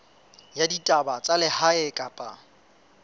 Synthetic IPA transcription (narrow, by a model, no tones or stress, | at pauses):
jaditʼabat͡sʼalɪhaɪkʼapʼa